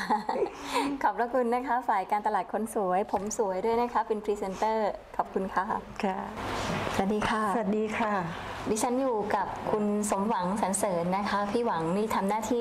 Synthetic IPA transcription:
kʰɔː˨˩p̚ɾa˦˥kʰu˧nːa˦˥kʰa˦˥faː˨˩jkaː˧nt̪a˧laː˨˩t̪̚kʰo˧nsu˩˦əjpʰo˩˦msu˩˦əjdu˥˩əjna˦˥kʰa˦˥pe˧npʰɾiː˧se˧nt̪ɤː˥˩kʰɔː˨˩p̚kʰu˧nkʰa˥˩kʰa˥˩sa˨˩˨t̚diː˧kʰa˥˩sa˨˩a˨˩diː˧kʰa˥˩diː˧˩t͡ɕʰa˦˥njuː˨˩ka˨˩p̚kʰu˧nso˩˦mwa˩˦ŋt͡ɕʰa˦˥nsɤː˩˦nːa˦˥kʰa˦˥pʰiː˥˩wa˩˦ŋniː˥˩t̪ʰa˧mnaː˥˩t̪ʰiː˥˩

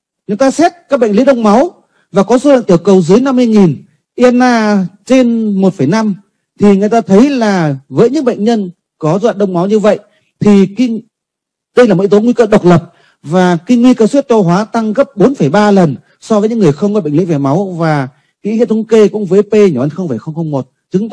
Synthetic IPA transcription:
ŋɨ˨˩jt̪aː˧sɛ˦˥t̚kaː˦˥k̚ɓ̰ŋlḭ˧˥ɗə˧wŋ͡mma˨˦w | vaː˨˩kɔ˨˦so˨˧˦lə̰˧˨t̪i˧˩əwkə˨˩wzɨ˨˦jna˧mː˧əjŋi˨˩n | ʔi˧a˧nːaː˧t͡ɕe˧nmo˨˩t̚fə˧˩jna˧m | t̪ʰi˨˩ŋɨ˨˩jt̪aː˧t̪ʰə˨˦jlaː˨˩vəː˨˦jɲɨ̰˧˥ŋɓə̰˧˨jŋ̟ɲə˧n | kɔ˨˦zwa̰ː˧˨nɗə˧wŋ͡mma˨˦wɲɨ˧və̰˧˨jʔ | t̪ʰi˨˩ki˧ | ɗə˧jlaː˨˩mo˨˧to˨˦nŋwi˧kəː˧ɗə˨˩k͡p̚lə˨˩p̚ | vaː˨˩ki˧ŋwi˧kəː˧swi˦˥ət̚t͡ɕɔ˧wɦwaː˨˦t̪a˧ŋɣə˦˥p̚ɓo˨˦nfə˧˩jɓaː˧lə˨˩n | sɔ˧vəː˨˦ɲɨ̰˧˥ŋɨ˨˩əjxə˧wŋ͡mɣɔ˧˥˩ɓə̰˧˨ŋlḭ˧˥ŋvɛ˨˩ma˨˦wvaː˨˩ | kḭ˧˥ŋḭ˧˨nt̪ə˧˦ŋ͡mke˧kʊ̰˧˥ŋ͡mvəː˨˦jpe˧ɲ˨˧˩ʔa˧˩nxə˧ŋ͡mfəː˧˩jxə˧wŋ͡mxə˧wŋ͡mmo˨˩t̚t͡ɕɨ˨˦

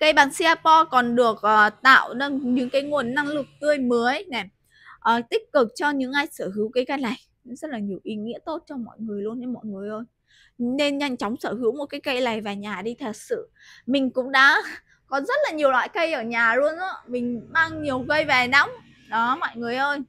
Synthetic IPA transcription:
kə˧jɓaː˨˩nsi˧aː˧pɔ˧kɔ˨˩nɗɨ˨˩ək̚ʔəː˨˩t̪a̰ː˧˨wnə˧nɲɨ̰˧˥ŋkaː˨˦jŋu˨˩ənːa˧ŋlɨ˨˩ək̚t̪ɨ˧əjmə˨˦əjnɛ˨˩ | ʔəː˨˩t̪ï˦˥k̟̚kɨ˨˩k̚t͡ɕɔ˧ɲɨ̰˧˥ŋʔaː˧jsəː˧˩hɨ˨˦wkaː˨˦jkə˧jla˨˩j | zə˦˥t̚laː˨˩ɲi˨˩əwʔi˨˦ŋḭ˧˥ət̪o˦˥t̚t͡ɕɔ˧mɔ̰˧˨jŋɨ˨˩əjlu˧ənːɛ˧mɔ̰˧˨jŋɨ˨˩əjʔo˧j | ne˧nɲa˧jŋ̟t͡ɕa˨˦wŋ͡msəː˧˩hɨ˨˦wmo˨˩kaː˨˦jkə˧jla˨˩jvaː˨˩ɲaː˨˩ɗi˧t̪ʰə˧˨˩sɨ̰˧˨ | mï˨˩ŋ̟kʊ̰˧˥ŋ͡mɗa̰ː˧˥ | kɔ˨˦nzə˦˥t̚laː˨˩ɲi˨˩əwla̰ː˧˨jkə˧jʔəː˧˩ɲaː˨˩lu˧ənʔɔ̰˧˥mï˨˩ŋ̟maː˧ŋɲi˨˩əwkə˧jvɛ˨˩na˧wŋ͡m | ɗɔ˨˦mɔ̰˧˨jŋɨ˨˩əjʔəː˧j

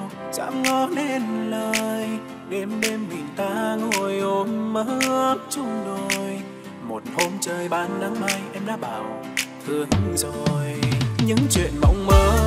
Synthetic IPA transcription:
z̥a̰ː˧˥mŋɔ˧˦ɗe˧nləː˧˩j | ɣɛ˧˦mɗe˧mmï˨˩ŋ̟t̪aː˧˦ŋo˧˩jʔo˨˦mməː˨˧˦ɨ˧˦ət͡ɕʊ˧ŋ͡mɗo˨˩j | mo˨˩t̚ho˧mt͡ɕəː˧jɓaː˧nːa˧mːaː˧jʔɛ˧mɗa̰ː˧˥ɓaː˨˩w | t̪ʰɨ˨˩əŋ˧zo˨˩jɲɨ̰˧˥ŋt͡ɕwḭ˧˨ənmə̰˧˩wŋ͡mməː˨˦

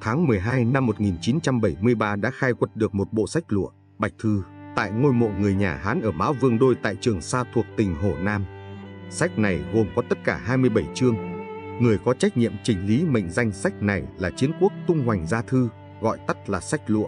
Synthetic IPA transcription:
t̪ʰaː˨˦ŋmɨ˨˩əjɦaː˧jna˧mːo˨˩t̚ŋi˨˩nt͡ɕi˨˦nt͡ɕa˧mɓə˧˩jmɨ˧əjɓaː˧ɗa̰ː˧˥xaː˧jkwə˨˩t̚ɗɨ˨˩ək̚mo˨˩t̚ɓo̰˧˨sa˦˥jk̟̚lṵ˧˨ə | ɓa˨˩jk̟̚t̪ʰɨ˧t̪a̰ː˧˨jŋo˧jmo̰˧˨ŋɨ˨˩əjɲaː˨˩ɦaː˨˦nʔəː˧˩maː˨˦wvɨ˧əŋɗo˧jt̪a̰ː˧˨jt͡ɕɨ˨˩əŋsaː˧t̪ʰu˨˩ək̚t̪ï˨˩ŋ̟ɦo˧˩naː˧m | sa˦˥k̟̚na˨˩jɣo˨˩mkɔ˨˦t̪ə˦˥t̚kaː˧˩ɦaː˧jmɨ˧əjɓə˧˩jt͡ɕɨ˧əŋŋɨ˨˩əjkɔ˨˦t͡ɕa˦˥k̚ɲḭ˧˨ə˨mt͡ɕï˨˩ŋ̟li˨˦mə̰˧˨ŋ̟za˧jŋ̟sa˦˥jk̟̚na˨˩jlaː˨˩t͡ɕi˨˦ənku˦˥ək̚t̪ʊ˧ŋ͡mhwa˨˩jŋ̟zaː˧t̪ʰɨ˧ | ɣɔ̰˧˨jt̪ə˦˥t̚laː˨˩sa˦˥jk̟̚lṵ˧˨əʔ

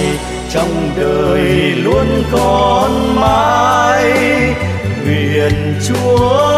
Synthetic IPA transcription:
t͡ɕɔ˧wŋ͡mɗəː˨˩jlu˧ənkɔ˨˧˨nmaː˧j | li˨˩ən | t͡ɕu˧˨˦ə

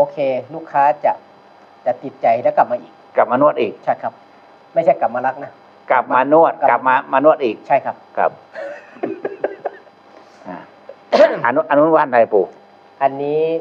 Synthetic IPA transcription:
ʔoː˧kʰeː˧luː˦˥˩kʰːaː˦˥t͡ɕa˨˩ʔ | t͡ɕa˨˩t̪i˨˩t̪̚t͡ɕa˨˩jlɛ˦˥wka˨˩p̚maː˧ʔiː˨˩k̚kːa˨˩p̚maː˧nu˧˥˩ət̪ʔiː˨˩k̚t͡ɕʰa˥˩jkʰa˧˥p̚ | ma˥˩jt͡ɕʰa˥˩jka˨˩p̚maː˧la˧˥k̚na˦˥ | ka˨˩p̚maː˧nu˧˥˩ət̪̚ka˨˩p̚maː˧maː˧nu˧˥˩ət̪̚ʔiː˨˩k̚t͡ɕʰa˥˩jkʰa˦˥p̚kʰa̰˧˩p̚ | ʔa̰ː˧˩ | ʔa˧nu˧ʔa˧nu˦˥˦waː˧˥˨nda˧˩jpuː˧˩ | ʔa˧nːiː˦˥

